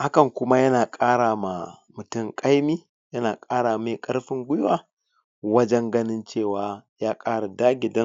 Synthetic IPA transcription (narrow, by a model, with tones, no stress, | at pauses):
ha˦kɐ˨ŋkʷʊ˦ma˦jɐ˦naː˨kʼaː˦ɽaː˨ma˨mʊ˨tʊ˦˨ŋkʼa˦jmiː˦ | jɐ˦naː˨kʼaː˦ɽaː˨meː˨kʼɐ˦ɽɸɪ˦ŋɡʷʊ˦jwaː˦˨ | wɐ˦d͡ʒɛ˦ŋɡɐ˦nɪ˦nt͡ʃeː˦˨waː˨jaː˦kʼaː˦ɽa˨daː˦ɡʲɪ˨dɐ˦